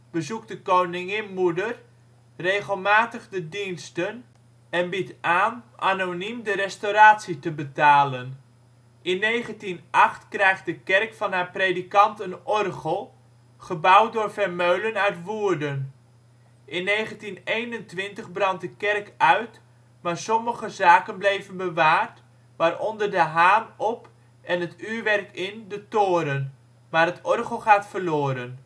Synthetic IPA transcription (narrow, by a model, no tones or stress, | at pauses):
b̥əzuk̚dəkownɪŋɪnmudər | rejχəlˠmaːtəχdədinstən | ɛnbitaːnʔa̰nonimdərɛstoɾaːtsitəbətaːlən | ɪnːejχəntinʔɑχtkrɛjχdəkɛrkfɑnɦaːɹprejdikɑntənɔrχəlˠ | χəbʌwt̚dʊːɹvɛɹmøɥlənœɥtʋuːɹdən | ʔɪnːejχəntinejnəntʋɪntəχbrɑnt̚dəkɛrkœɥt | maːɹsɔməχəzaːkənblejvənbəʋaːrt | ʋaːɹʔɔndəɹdəɦaːnɔp | ʔɛnɦətyːɹʋɛrkɪndətoːɾən | maːɾɦətɔrχəlˠχaːtfəɹlʊːɾən